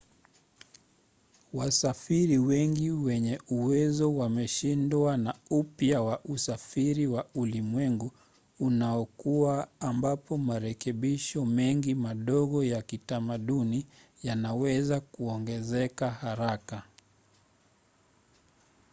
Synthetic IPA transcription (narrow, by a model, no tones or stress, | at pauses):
wasafiɾiwɛŋɡiwɛɲɛuwɛzɔwamɛʃindwanaupjawaʔusafiɾiwaulimwɛŋɡuː | naɔkuwaːmbapɔmaɾɛkɛɓiʃɔmɛŋɡimaɗɔɣɔjakitamaɗuni | janawɛzakuɔŋɡɛzɛkahaɾaka